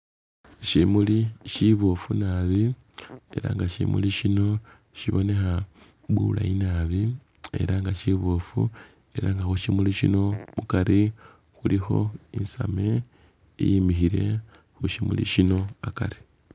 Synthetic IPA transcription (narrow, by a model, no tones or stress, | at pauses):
ʃimuliʃiβofunaːβi | e̞̰ɾa̰ŋɡaʃḭmṵliʃino̞ | ʃiβo̞ne̞xa | βula̰inaβi | ḛɾaŋɡaʃiβofṵ | e̞ɾaŋɡaxuʃimuliʃino̞mukaɾi | xulixo̞̰insame | ḭjimixiɾe̞ | xuʃimulḭʃino̞akaɾi̥